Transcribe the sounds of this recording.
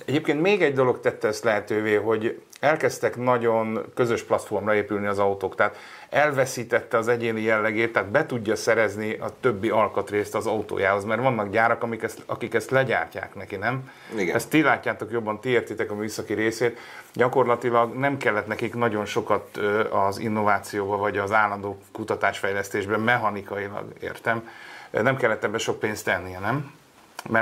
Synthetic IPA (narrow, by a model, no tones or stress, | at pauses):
ɛɟeːp̚keːnt̪meːɡɛɟd̪o̞lo̞kt̪ɛt̪ːɛøst̪lɛɦɛt̪øːveːɦo̞ɟ | ɛlkɛst̪ɛknɒɟo̞nkø̞zø̞ʃplɒt̪fo̞rmrɒeːpylniɒzɒut̪oːkt̪ɛɦaːt̪ | ɛlvɛsiːt̪ɛt̪ːɛɒzɛɟeːnijɛlːɛɡeːt̪ːɛaːd̪bɛt̪uɟːɒsɛɾɛzniɒ̰t̪ø̞bːiɒlkɒt̪reːst̪ɒzɒut̪o̰ːjaːɦo̞zmɛrʋɒnːɒkɟaːɾɒkɒmikɛstɒkikɛst̪lɛɟa̰ːrca̰ːknɛkinɛm | ɡɛst̪ːilaːcːaːt̪o̞kjo̞bːɒnt̪ieːrt̪it̪ɛkɒmyːsɒkiɾeːseːt̪ | ɟɒko̞rlɒt̪ilɒɡnɛmkɛlːɛt̪nɛkiknɒɟo̞nʃo̞kɒt̪ːɒzḭnːo̞vaːt̪sijoːbɒvɒɟɒzaːlːɒnd̪oːkut̪ɒt̪aːʃfɛjlɛst̪eːʒbɛmɛɦɒnikɒjilɒ̰ɡḛːrt̪ɛmnɛmkɛlːɛt̪ːɛbːɛʃo̞k̚peːnst̪ɛnːiɛnɛmː | ɛ